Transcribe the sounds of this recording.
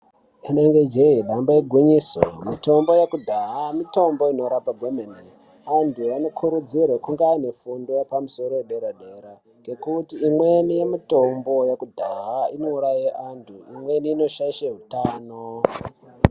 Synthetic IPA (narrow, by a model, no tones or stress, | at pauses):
eneŋɡe̞d͡ʒeɦeɗamboeɡʱiɲiso̰mito̞mbo̞jekudʱaɦamito̞mbo̞ino̞ɾapaɡʱomene | antʰuano̞kʰuɾud͡zirekuŋɡaːne̞fundojepamusoɾo̞eɗeɾaɗeɾa | ŋɡe̞kutiːmwe̞nijemito̞mbo̞jakudʱaɦainouɾaieʔantʰuimwe̞niːno̞ʃaiʃeɦutaːno